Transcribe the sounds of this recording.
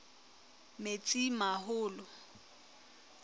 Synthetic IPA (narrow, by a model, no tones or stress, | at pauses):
met͡sʼimahʊːlɔ